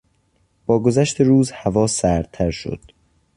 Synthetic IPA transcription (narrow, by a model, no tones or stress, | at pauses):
b̥ɒːɡo̞zæʃt̪ʰeɾuːzhævɒːsæɾt̪ʰæɾʃo̰d̪̥